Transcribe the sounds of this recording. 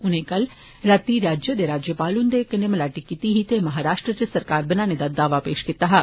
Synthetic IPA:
ʊnẽːkəl | ɾət̪iɾaːd͡ʒjəd̪eːɾaːd͡ʒjəpaːlʊnd̪ekənemlaːʈikit̪iɦit̪emɐɦaːɾaːʃʈɾət͡ʃesəɾkaːɾbɐnãːned̪aːd̪aːʋapeːʃkɪt̪aːɦaː

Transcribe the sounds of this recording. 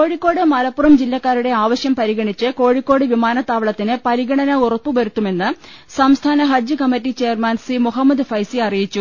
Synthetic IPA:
ko̞ːɻikʲːo̞ːɽɨmɐlɐpːurɐmd͡ʑilːɐkːaːɾuɽe̞aːʋɐɕjɐmpɐɾiɣɐɳit͡ɕːɨko̞ːɻikkʲːo̞ːɽɨʋimaːnɐt̪ːaːʋɐɭɐt̪ːinɨpɐɾiɡɐɳɐnɐurɐpːɨʋɐɾut̪ːume̞nːɨ | sɐmst̪ʰaːnɐɦɐd͡ʑjɨkɐmːɐtːit͡ɕe̞ːjɐrmaːnsimuɦɐmːɐd̪ɨfɐjsiɐrijit͡ɕːu

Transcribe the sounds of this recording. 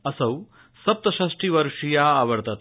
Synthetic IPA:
ɐsɐw | sɐp̚t̪ɐɕaʂʈiːʋɐɾʂijaːʋəɾt̪at̪

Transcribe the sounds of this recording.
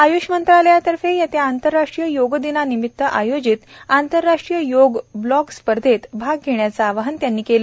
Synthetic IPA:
ajuʂmənt̪ɾaləjat̪əɾfejat̪ʰeant̪əɾːaʂʈɾijəjoɡd̪inanimit̪ːəʔajod͡ʑit̪ant̪əɾːaʂʈɾijəjoɡblɔkspəɾd̪ʱet̪bʱaɡɡʱeɳjat͡saːʋəɦənt̪janːiːkel

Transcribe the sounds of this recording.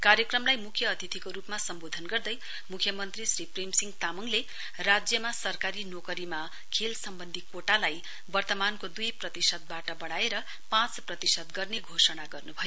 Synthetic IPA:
kaɾjʌkrʌmlajmukʰjʌːt̪ʰit̪ʰikoɾupmasʌmbod̪ʱʌnɡʌrd̪ʌj | mukʰjʌmʌnt̪risripremsiŋɡt̪amuŋle | rad͡zjʌmasʌrkaɾinokʌɾima | kʰelsʌmbʌnd̪ʱikoʈalaj | bʌrt̪ʌmankod̪ujprʌt̪isʌt̪̚baʈʌbʌɽaeɾʌ | pãt͡sprʌt̪isʌt̪̚ɡʌrneɡʱosʌnaɡʌrnubʱʌjo

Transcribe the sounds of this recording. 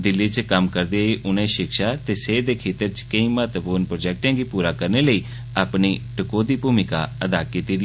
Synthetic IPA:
d̪ɪlːiːt͡ʃkəmkəɾd̪eːeːʔʊnẽːʃɪkʃaːt̪eːseːd̪eːkʰeːt̪əɾt͡ʃkəĩːmət̪puːɾnpɾoːd͡ʒɛːk̚ʈẽːɡiːpuːɾaːkəɾneːləiː | aːpniːʈəkoːd̪iːbuːmɪka̰ːəd̪aːkiːt̪iːd̪ɪ

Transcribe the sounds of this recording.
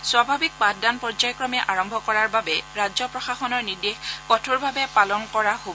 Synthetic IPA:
swabʱabik̚patdanpɔɹzajkɹɔmɛʔaɹɔmbʱɔkɔɹaɹbabɛɹazɔpɹɔxaxɔnɔɹniɹdexkɔtʰuɹbʱabɛpalɔnkɔɹahobɔ

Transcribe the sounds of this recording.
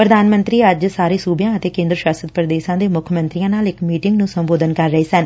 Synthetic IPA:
pɾəd̪aːnmənt̪ɾiːəd͡ʒsaːɾeːsuːbjãːət̪eːkẽːnd̪ɾəʃaːsət̪̚pɾəd̪eːʃãːd̪eːmʊkʰəmə̃nt̪ɾijãːnaːlɪkmiːʈɪŋɡnũːsəmboːd̪ənkəɾːəiːsən

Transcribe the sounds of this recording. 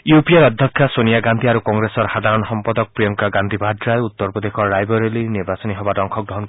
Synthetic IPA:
jupieɾɔd̪ʱjɔkʰːjasonijaɡand̪ʱiaɾukɔŋɡɾesɔɾhad̪ʱaɾɔnɔsɔmpɔd̪ɔk̚pɾijɔŋkaɡand̪ʱibʱadɾajut̪ːɔɾpɾɔd̪ekʰɔɾajbɔɾeliniɾbasɔniɦɔbaɖɔŋkʰɔɡɾɔɦɔnk

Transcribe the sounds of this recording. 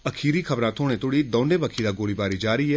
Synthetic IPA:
ɐkʰiːɾikʰɐbɾãːt̪ʰoːɽ̃ẽt̪ʰʊɽid̪ɔ̃ːnɖẽbəkʰiːɾaɡoːlibaːɾid͡ʒaːɾiːɛː

